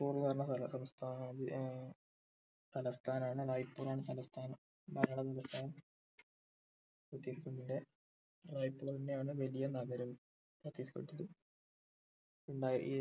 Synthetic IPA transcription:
puːrunɐrnːɐsɐlɐsɐmst̪ʰaːnðɨ | t̪ɐlɐst̪ʰaːnaːɳɨraːjpːuːraːɳɨt̪ɐlɐst̪ʰaːnɐm | bɐɾɐɽɐt̪ɐlɐst̪ʰaːnɐm | prɐt̪ːiːsikuɳɖinde | raːjpːuːrɐndejaːɳɨʋɐlijɐnɐɣɐɾɐm | prɐt̪ːiːsi̥ko̰ɽʈːɐðɨ | uɳɖaːjiɾ̰kː

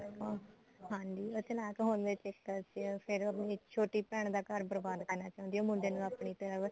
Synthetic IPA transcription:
ɦãːnd͡ʒiːoːt͡ʃəlaːkɦõːnd̪eːt͡ʃɛkːət͡ʃpʰɪɾapniːt͡ʃʰoːʈiːpɛːɳ̃d̪aːkəɾbəɾbaːd̪kəɾnaːt͡ʃãːʊ̃ːnd̪iːoːmʊɳɖeːnũːaːpɳiːt̪əɾəʋ

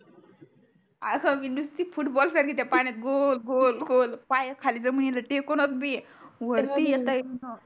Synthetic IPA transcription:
akaʋinust̪ifuʈbɔlsaɾkʰit̪apaɽ̃at̪̚ɡolɡolɡolpajəkʰalid͡zəməɳjeləʈekonot̪biʋəɾt̪ijet̪anə

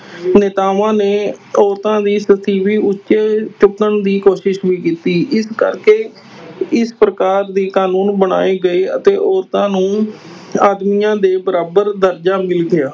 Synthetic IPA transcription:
nɪt̪aːʋãːneːɔːɾt̪ãːd̪iːsət̪ʰiːʋiːʔʊtːʃeːt͡ʃʊkːəɳd̪iːkoːʃɪʃʋiːkiːt̪iːʔɪskə̰ɾkeː | ɪspɾəkaːɾd̪iːkaːnuːnbəɽ̃a̰ːeːɡəeːət̪eːʔɔːɾt̪ãːnũː | aːd̪mijãːd̪eːbəɾaːbəɾd̪əɾd͡ʒaːmɪlɡɪjaː

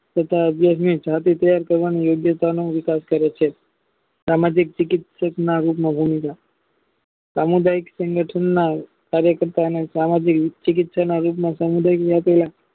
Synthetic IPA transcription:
t̪ət̪ʰaəbjas̬mid͡ʒʱat̪it̪əjaɾkəɾʋanijoɡjət̪anoʋɪkaskəɾjat͡ʃʰe | samad͡ʒik̚t͡ʃɪkɪt̪səknaɾupmãbʱumika | samud̪ajiksəŋɡəʈʰənːa | kaɾjəkəɾt̪aənesamad͡ʒikt͡ʃɪk̬ɪt̪sanaɾup̬mãsamud̪ajkapəla

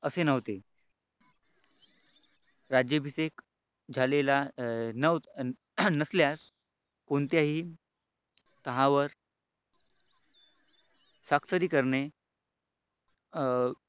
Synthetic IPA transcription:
əsenəʋt̪e | ɾad͡ʑjəbʱisek | d͡zʱalelanə | nəsljas | kont̪jaɦiː | t̪əɦãʋəɾ | saksəɾiːkəɾɳe

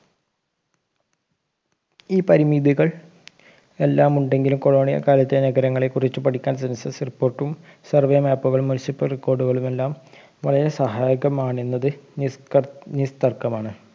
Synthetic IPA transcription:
iːpɐɾimid̪iɣɐɭ | e̞lːaːmuɳɖe̞ŋɡilumko̞ɻoːɳijɐ̰kaːlɐt̪ːenɐɡɐɾɐŋːɐɭekurit͡ɕːɨpɐʈʰikʲːaːnsensɐsripːoːrʈːum | sɐrʋeːmaːpːuɣɐɭumːunisipːɐlrikːo̞ːrɖuɣɐɭume̞lːaːm | ʋɐɭɐjɐsɐɦaːjiɣɐmaːɳenːɐðɨ | nist̪ɐrkːɐmaːɳɨ

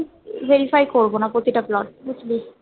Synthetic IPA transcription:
vʱeɾifʰajkoɾbonapɾot̪iʈaplɔʈ̚butʰbi

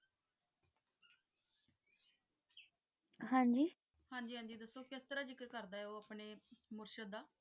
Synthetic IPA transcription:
hãːɲd͡ʒiː | hãːɲd͡ʒiːɦãːɲd͡ʒiːd̪əsːoːkɪst̪əɾaːzɪkəɾkəɾd̪aːɛoːəpneːmʊɾʃəd̪ːaː

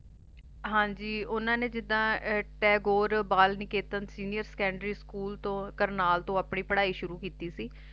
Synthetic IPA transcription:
ɦãːɲd͡ʒiːʊnãːnẽːd͡ʒɪd̪ãːʈɛːɡoːɾbaːlnɪkeːt̪ənsiːnɪjəɾsə̥kɛ̃ːɳɖɾiːskuːlt̪õːkəɾnaːlt̪õːaːpɳiːpəɽaːiːʃʊɾuːkiːt̪iːsiː

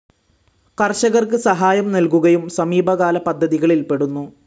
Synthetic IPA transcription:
kɐrɕɐɣɐrkɨsɐɦaːjɐmnɐlkuɣɐjumsɐmiːbʱɐɣaːlɐpɐd̪ʱːɐðiɣɐɭilpe̞ɽunːu

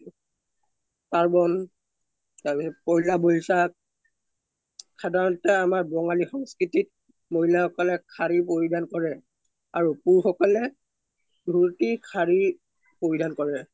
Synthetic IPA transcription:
kaɹbɔn | taɹpisɔpɔɦlabojsak̚ | kʰadaɹɔtɛamaɹbɔŋalixɔŋskɹitit̚ | moɦilaxɔkɔlɛkʰaɹipoɹidankɔɹɛ | aɹupuɹxɔkɔlɛ | dʱuɹtikʰaɹi | poɹidankɔɹɛ

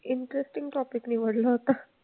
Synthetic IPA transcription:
iɳʈəɾesʈiŋɡʈɔpikniːʋəɽlɔat̪a

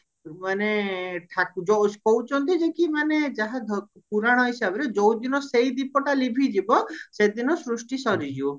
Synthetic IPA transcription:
maneʈʰakud͡ʒɔspɔwt͡ʃɔnt̪id͡ʒekimaned͡ʒaɦad̪ʱɔ | puɾaɽ̃ɔɦisabɔɾed͡ʒɔwd̪inɔsejd̪ipɔʈalibʱid͡ʒibɔsed̪inɔsɾusʈisɔɾid͡ʒiu

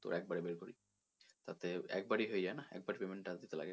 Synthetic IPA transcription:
t̪o̰ɾɛk̚baɾebeɾkoɾi | t̪at̪eɛ̰k̚baɾiɦoed͡ʑaenaɛ̰k̚baɾipemeɳʈad̪it̪ela̰ɡe

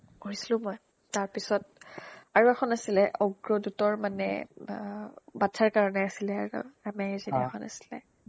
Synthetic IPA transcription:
koɹisilʊ̃mɔj | taɹpisɔt̚aɹuɛxɔnasilɛʔɔɡɹɔdutɔɹmanɛ̰ | batʰaɹkaɹɔnɛasilɛaɹṵamɛɛziniɛxʰɔna̰si̥lɛ̰

